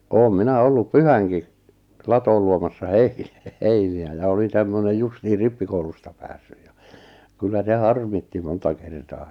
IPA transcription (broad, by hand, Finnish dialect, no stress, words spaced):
oːm minæ olːup pyhæŋki lɑtoːl luomɑsːɑ hei heiniæ jɑ olin tæmːønej justihir ripːikoulustɑ pæːsːyj jɑ kylːæ se hɑrmitːi montɑ kertɑː